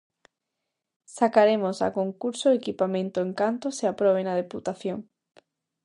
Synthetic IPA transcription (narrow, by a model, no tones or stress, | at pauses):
sakaɾemosa̰koŋkuɾsoekipamẽnt̪oẽŋkant̪oseapɾoβenað̞eput̪aθjoŋ